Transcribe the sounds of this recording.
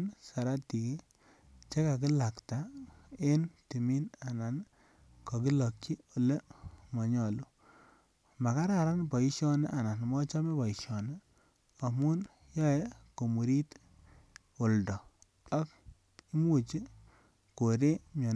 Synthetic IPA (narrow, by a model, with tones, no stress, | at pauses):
nsa˨ɾa˦ti˨ki˦ | t͡ʃe˦ka˨k̬ɪ˦la˨kta˨e˦nti˨mi˦na˨na˨n | kɔ˨k̬i˦lɔ˨kt͡ʃi˦o˨le˦mɔ˨ɲɔ˨lu˦ | ma˨ka˦ɾa˨ɾa˦npɔ˨i˦ʃjɔ˦ne˦ʔa˨na˨nmɔ˦t͡ʃa˦me˦pɔ˨i˨ʃjɔ˨ne˦ | a˨mu˦n | jɔ˦ɛ˦ko˨mu˨ɾi˦t | o˨ldɔ˨ | a˦k | i˦mu˦t͡ʃi˦ | ko˨ɾe˦mɔ˨n˦